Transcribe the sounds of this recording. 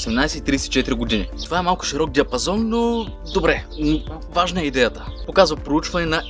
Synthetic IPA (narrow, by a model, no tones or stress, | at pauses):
sɛmnajsɛit̪ɾiːsɛt̪i̥t͡ʃɛt̪iɾiɡod̪init̪ovaɛmalˠkʊ̥ʃiɾɔk̚d̪ʲiɐpɐzɔnːo | d̪obɾɛ | vaʒnəɛid̪ɛjət̪ə̥pokazvɐpɾout͡ʃvɐnɛnɐ